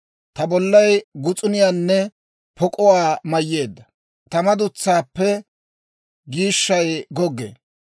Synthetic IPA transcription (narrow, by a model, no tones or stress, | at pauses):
t̪ɐbɔlːɐjɡʊt͡sʼʊnɪjaːnːɛ | pʰɔkʼɔwaːmɐjːe̞ːd̪ːɐ | t̪ɐmɐd̪ʊt͡sːaːpːɛ | ɡiːʃːɐjɡɔɡːḛː